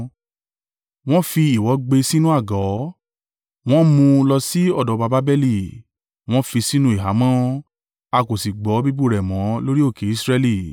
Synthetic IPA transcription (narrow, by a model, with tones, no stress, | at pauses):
w̃ɔ̃˦fi˧i˨wɔ˨˦ɡ͡be˧si˦nũ˦a˦˨ɡɔ˨˦ | w̃ɔ̃˦mũ˧lɔ˧si˦ɔ˦˨dɔ˨˧˦ba˧ba˦bɛ˦li˦˨ | w̃ɔ̃˦fi˧si˦nũ˦i˨ɦa˨˦mɔ̃˦ | a˧ko˨si˨ɡ͡bɔ˨˦bi˦bu˦˨ɾɛ˨mɔ̃˨˦lo˦ɾi˦o˦˨ke˨˦i˦sɾɛ˧li˦˨